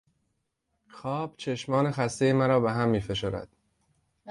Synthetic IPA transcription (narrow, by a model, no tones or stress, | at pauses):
xɒːb̥t͡ʃʰe̞ʃmɒːnexæst̪e̞jemæɾɒːbeɦæmːiːfe̞ʃoːɾæ̰d̪̥